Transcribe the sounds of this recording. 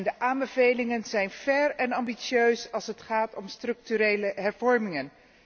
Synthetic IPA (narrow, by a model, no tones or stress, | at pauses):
ndəʔaːmbəvejlɪŋənzɛjnv̥ɛɹɛnɑmbisjøɥsɑlˠsɦətχaːtɔmstrɵk̚tyɾejləɦɛɹvɔɹmɪŋən